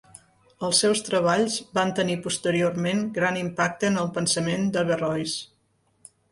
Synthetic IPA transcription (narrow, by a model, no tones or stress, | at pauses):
əlˠsːɛwst̪ɾəβ̞aʎzbant̪ənipust̪əɾiormenɡɾanimpak̚t̪əːnəlˠpənsəmend̪əβərɔjs